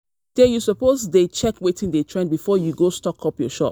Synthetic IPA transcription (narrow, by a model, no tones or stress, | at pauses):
d̥ɛjusəpozdet͡ʃɛkwetɪ̃ŋdetʰɹɛ̃nbifɔjuɡostɔkʰɔpjɔʃɔ̰p